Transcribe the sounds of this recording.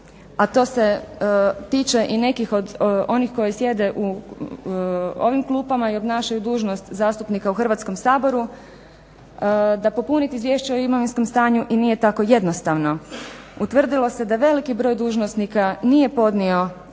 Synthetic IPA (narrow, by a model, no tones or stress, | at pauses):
at̪o̞ːse̞ | t̪iːt͡ʃe̞ʔine̞kixo̞d̪o̞nixko̞jisje̞d̪e̞ʔu | o̞ʋimklˠuːpamaio̞bnaːʃajud̪uːʒno̞st̪zaːst̪upnikauxr̩ʋat̪sko̞msaːbo̞ɾu | d̪apo̞punit̪izʋje̞ʃt͡ʃaoimoʋinsko̞mst̪aːɲuʔinije̞t̪ako̞je̞d̪no̞st̪aʋno̞ | ut̪ʋr̩d̪ilo̞se̞d̪aʋe̞likibɾo̞ːjd̪uːʒnosnikanije̞po̞d̪nio̞